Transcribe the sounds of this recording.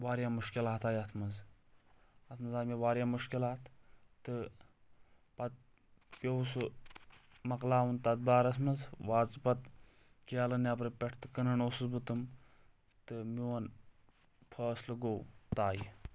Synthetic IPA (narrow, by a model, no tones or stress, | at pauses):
ʋaːɾjaːmuʃkilaːt̪aːjɐt̪ʰmɐz | ɐt̪ʰmɨzaːmiʋaːɾʲjaːmuʃkilaːt̪t̪ɨ | pɐt̪̚ | pʲjowsu | mɐklaːwɐnt̪ɐt̪̚baːɾɐt̪ʰmɐzʋaːzpɐt̪̚ | kialɐnap̬ɾɨpʲɛʈʰt̪ɨkɨnɐɳoːsɨzbɨt̪ɨm | t̪ɨmiwɐn | pʰəːslɐɡowt̪aːji